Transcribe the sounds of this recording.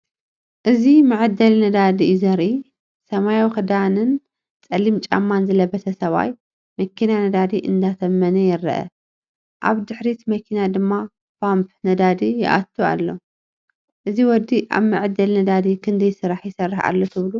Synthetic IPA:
ʔɨzimɨʕɨd̪ːɐlnɐd̪ad̪izɐɾʔi | sɐmajawxɨd̪anɨn | t͡sʼɐlimt͡ʃʼa̰mːanzɨlɐbɐt̪ʰɐsɐβa̰j | mɐkʰinanɐd̪ad̪iʔɨ̰nd̪at̪ʰɐmːɐnɐjɪɾɐʔɐ̰ | ʔa̰βd̪ɨħɾit̪mɐkʰinad̪ɨmːa | pampnɐd̪ad̪ijɪʔa̰t̪ʰːua̰lːo̞ | ʔɨziwɔd̪ːiʔa̰βmɨʕɨd̪ɐlnɐd̪ad̪ikʰɨnd̪ɐjsɨɾaħjɪsɐrːɨħa̰lːot̪ʰɨβlu

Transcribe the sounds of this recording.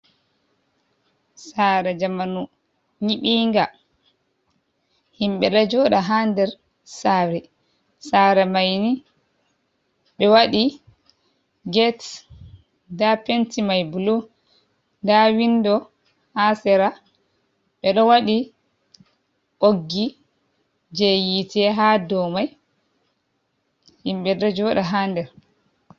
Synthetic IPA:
saɾɛd͡ʒamanu | ɲiɓiːŋɡa | himɓɛɗad͡ʒɔɗaɦandɛɾ | saːɾɛ | saɾɛmajni | ɓɛwaɗi | ɡɛt | dapentimajbulo | ndawindɔ | hasɛɾa | ɓɛɗɔwaɗi | ʔoɡːi | d͡ʒɛjitɛɦadɔmaj | himɓɛdɔd͡ʒɔɗaɦandɛɾ

